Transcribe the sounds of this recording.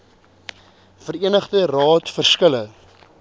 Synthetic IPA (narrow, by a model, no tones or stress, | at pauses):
fəriənəχdərɑːtfərskələ